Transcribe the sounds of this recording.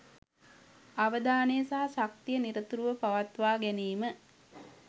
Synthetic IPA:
aʋəd̪aːnejəsaɦasak̚t̪ijəniɾət̪uɾuʋəpaʋat̪ʋaːɡæniːmə

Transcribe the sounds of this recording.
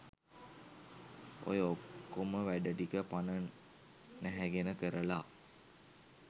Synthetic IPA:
o̰jəokːoməʋæɖəɖikəpanə | næɦæɡenəkəɾəla

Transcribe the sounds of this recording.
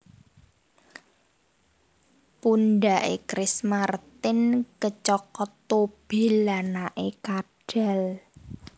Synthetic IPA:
punɖa̤ʔekɾɪsmart̪ɪnkət͡ʃɔkɔt̪ob̥e̤lanaʔekaɖ̥ɛ̤l

